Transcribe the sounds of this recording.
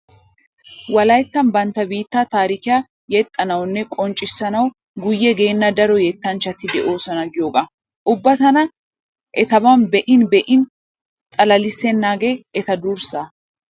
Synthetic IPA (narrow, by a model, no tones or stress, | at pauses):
wɐlɐjt̪ːɐnbɐnt̪ːɐbiːt̪ːat̪aːɾɪkɪja | jɛt̪ʼːɐnɐwnːɛkʼɔnt͡ʃʼːɪsːɐnɐw | ɡʊjːɛɡe̞ːnːɐd̪ɐɾɔjɛt̪ːɐnt͡ʃːɐt̪ɪd̪ɛʔo̞ːsɐnɐɡɪjoːɡɐ | ʔʊbːɐt̪ɐnɐ | ʔɛt̪ɐbɐnbɛʔɪnbɛʔɪn | t̪ʼɐlɐlɪsːɛnːaːɡe̞ːʔɛt̪ɐd̪uɾsaː